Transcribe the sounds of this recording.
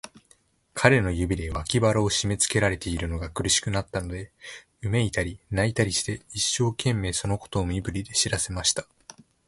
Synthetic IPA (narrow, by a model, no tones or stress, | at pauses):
kʰaɾe̞no̞jɯ̟bʲid̪e̞βakʲibaɾaːɕime̞t͡sɨ̥ke̞ɾaɾe̞t̪e̞iɾɯ̟no̞ɡakɯ̟ɾɯ̟ɕi̥kɯ̟nat̪ːano̞d̪e̞ | ɯ̟me̞it̪aɾʲinait̪aɾʲiɕi̥t̪e̞iɕːo̞ːkẽ̞mːe̞ːso̞no̞ko̞̥t̪o̞ːmʲibɯ̟ɾʲid̪e̞ɕiɾase̞maɕi̥t̪ḁ